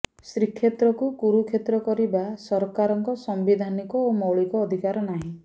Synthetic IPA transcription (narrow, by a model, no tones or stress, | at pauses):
sɾikʰːjet̪ɾɔkukuɾukʰet̪ɾɔkɔɾibasɔɾkaɾɔŋkɔsɔmbid̪ʱanikɔomɔwɭikɔːd̪ʱikaɾɔnaɦĩ